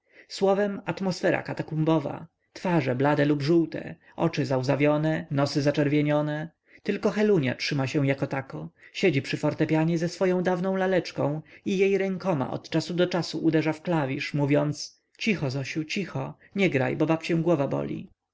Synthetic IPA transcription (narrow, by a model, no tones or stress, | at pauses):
swɔvɛmat̪mɔsfɛɾa̰kat̪akumbɔva̰ | t̪faʐɛblad̪ɛlubʐuwt̪ɛ̰ | ɔ̰t͡ʂɘzawzavʲjɔnɛnɔsɘzat͡ʂɛɾvʲjeɲɔnɛ | t̪ɘlkɔxɛluɲa̰tʂɘmaɕɛ̃w̃jakɔt̪akɔɕed͡ʑipʂɘfɔɾt̪ɛpʲjaɲɛzɛsfɔjɔ̃w̃d̪avnɔ̃w̃lalɛt͡ʂkɔ̰̃w̃ijejɾɛŋkɔma̰ʔɔ̰t̪t͡ʂasud̪ɔt͡ʂasuʔud̪ɛʐafklavʲiʂmuvʲjɔnt̪s | t͡ɕixɔzɔɕut͡ɕixɔ | ɲɛɡɾa̰jbɔbapt͡ɕɛ̃ɡwɔvabɔ̰lʲḭ